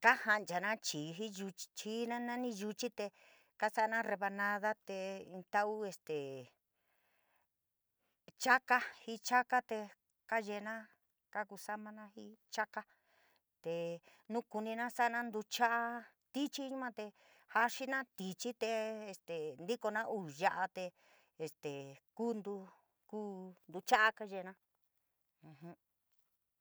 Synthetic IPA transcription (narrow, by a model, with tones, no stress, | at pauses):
ka˦ha˧nd͡ʒa˨nã˦t͡ʃiː˨ɦi˦ʒu˧t͡ʃt͡ʃi˦nã˦nã˦nĩ˧ʒu˧t͡ʃi˦t̪e˧ | ka˦sa˦ʔnã˦re˧βa˧nã˧ða˦t̪e˧ĩ˧t̪a˧ʔu˦e˧st̪e˨ | t͡ʃa˦ka˦hi˧t͡ʃa˦ka˦t̪e˧ | ka˦ʒe˧nã˦ | ka˦ku˧sa˦mã˧nã˦hi˦t͡ʃa˦ka˦ | t̪e˨ | nũ˦ku˧nĩ˧nã˦sa˦˧nã˦nd̪u˧t͡ʃa˦ʔa˦ | t̪i˦t͡ʃi˦ɲũ˦mã˦t̪e˧ | ha˧ʂi˦nã˦t̪i˧t͡ʃi˦t̪e˧e˧st̪e˨nd̪i˦ko˧nã˦ʔu˧˨ʒa˧ʔa˧t̪eː˧˨ | st̪e˨kuː˦nd̪u˧ | kuː˦nd̪u˧t͡ʃa˦ʔa˦ka˧ʒe˧˨˧nã˦ | ũ˧hũ˦